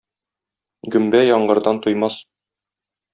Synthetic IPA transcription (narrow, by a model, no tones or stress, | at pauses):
ɡɵ̆mbæjɒɴɢɤ̆ɾd̪ɑnt̪ujmɑs